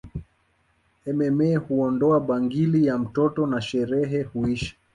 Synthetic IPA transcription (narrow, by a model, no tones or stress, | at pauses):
ɛmɛmɛːhuɔndɔaɓaŋɡilijam̩tɔtɔnaʃɛɾɛɦɛhuiʃḁ